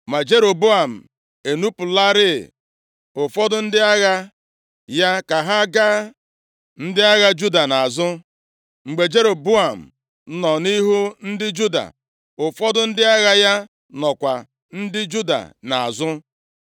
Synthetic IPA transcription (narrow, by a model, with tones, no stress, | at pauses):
ma˨d͡ʒe˦ɾo˨bu˦a˨m̩˨ | e˨nu˦pʊ˨la˦ɾɪ̰˦˨ | ʊ˨fɔ˦dʊ˦n̩˦dɪ˦a˦ɣa˦ | ja˦ka˨ɦa˦ɡa˦ | n̩˦dɪ˦a˦ɣa˦d͡ʒu˦da˨na˨zʊ˦ | ŋ͡m̩˨ɡ͡be˨d͡ʒe˦ɾo˨bu˦a˨m̩˨˦ | nɔ˨ni˦ɦu˦n̩˦dɪ˦d͡ʒu˦da̰˨ | ʊ˨fɔ˦dʊ˦n̩˦dɪ˦a˦ɣa˦ja˦ | nɔ˨kʷa˨ | n̩˦dɪ˦d͡ʒu˦da̰˨na˨a̰˨zʊ˦